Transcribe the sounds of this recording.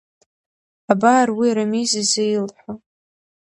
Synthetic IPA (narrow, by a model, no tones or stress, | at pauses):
abarwiɾamizizejlħʷa